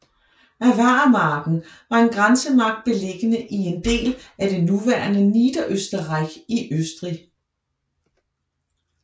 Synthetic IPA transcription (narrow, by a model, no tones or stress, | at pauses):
æʋæːmɑ̈ːɡ̥n̩ʋɑ̈e̝nɡ̥ʁansəmɑ̈ɡ̥̚d̥̚b̥e̝leɡ̥ənəʔie̝nd̥e̝̰ːlæd̥e̝nuʋæːɐnəniːd̥ɐʔøsd̥ɐʁɑɪɡ̥iʔøsd̥ʁi